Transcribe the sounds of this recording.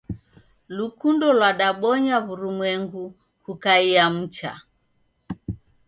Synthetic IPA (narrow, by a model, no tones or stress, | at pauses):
lukundɔlwaɗaɓɔɲaβuɾumwɛŋɡu | hukaiam̩t͡ʃa̰